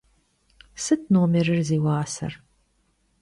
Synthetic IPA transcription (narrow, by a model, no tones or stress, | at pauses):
sɨt̚ʰnoːmerɨrziːwaːsɐ̰r